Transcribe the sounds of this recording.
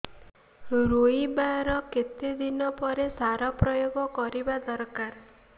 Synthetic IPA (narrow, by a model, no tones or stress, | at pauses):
ɾoibaɾɔket̪ed̪inɔpɔɾesaɾɔpɾɔjoɡɔkɔɾibad̪ɔɾkaɾ